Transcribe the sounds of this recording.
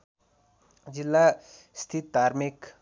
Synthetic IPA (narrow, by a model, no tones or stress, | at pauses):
d͡ʑilːa | st̪ʰit̪aɾmik